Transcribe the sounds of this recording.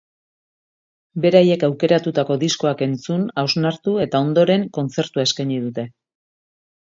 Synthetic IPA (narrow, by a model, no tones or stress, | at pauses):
be̞ɾaje̞kawke̞ɾat̪ut̪ako̞ðisko̞ake̞nt͡sunawznaɾt̪ue̞t̪ao̞nd̪o̞ɾe̞ŋko̞nt͡se̞ɾt̪uae̞skajɲið̞ut̪e̞